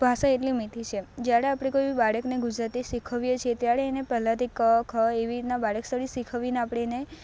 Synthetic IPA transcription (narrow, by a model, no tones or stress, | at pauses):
bʱaʃaeʈlimit̪ʰit͡ʃʰed͡ʒjaɽeapɽ̃ekojbibaɽəkneɡud͡ʒɾat̪isikʰəʋjet͡ʃʰiet̪jaɽeːnepɛɦlãt̪ikəkʰəeʋiɾit̪nabaɽəkst̪ʰəɽisikʰəʋineapɽ̃ene